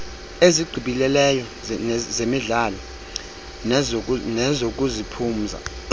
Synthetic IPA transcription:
eziɡ͡ǀʱiɓilɛlɛjɔ | zemiɮaːlɔ | nɛzokʼuzipʰuːm̩za̰

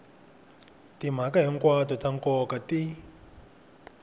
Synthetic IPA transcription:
tim̤akaɦiŋkwatɔtaŋkɔkati

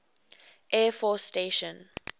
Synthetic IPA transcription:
ʔɛːfɔsːteʃə̃n

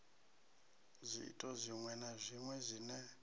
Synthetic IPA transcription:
zʷiḭtʼɔzʷiŋwɛnazʷiŋwɛzʷinɛ

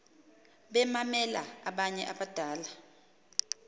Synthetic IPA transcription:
ɓɛmamɛla̰aɓaɲɛʔaɓad̥ʱaːla

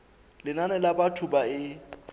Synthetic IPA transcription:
lɪnanɛlabatʰubaɪ

